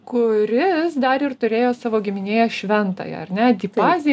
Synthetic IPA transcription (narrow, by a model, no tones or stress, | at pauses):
kʊɾʲɪsd̪ɐɾɪrt̪ʊɾʲeːjoːsɑːʋoːɡʲɪmʲɪnʲeːjɛʃʲʋʲɛnt̪ɑ̰ːjɛ̰ɐrnʲɛd̪ʲɪpɑːzʲɪ